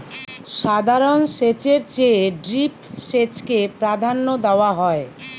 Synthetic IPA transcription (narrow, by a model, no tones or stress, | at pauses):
ʃad̪ʱaɾonʃet͡ɕeɾt͡ɕeɖɾipʃet͡ɕkepɾad̪ʱanːod̪eoaɦɔe